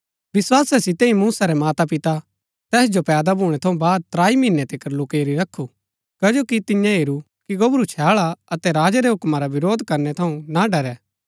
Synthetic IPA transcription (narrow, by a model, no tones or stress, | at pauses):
ʋɪswaːsɛsɪt̪ẽĩmuːsaɾɛmaːt̪apɪt̪a | t̪ɛːsd͡ʒopɛːd̪abʱuːɽ̃ɛt̪ʰɐũbaːd̪̚t̪ɾaːimɪnːɛt̪ʰɪkəɾlʊkeːɾiɾɐkʰːu | kɐd͡ʒoːkit̪ɪ̃jãɦeːɾu | kiɡɐbɾut͡ʃʰaːɭaɐt̪ɛɾaːd͡ʒaɾeɦʊkmaɾaʋɪɾoːd̪kɐɾnɛt̪ʰɐũnaɖɐɾɛː